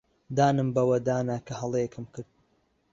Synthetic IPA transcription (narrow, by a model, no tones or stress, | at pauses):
d̪aːnɨmbɐwɐd̪aːnakʰɐhɐlˠeekʰɨmkʰɨɾd̪̚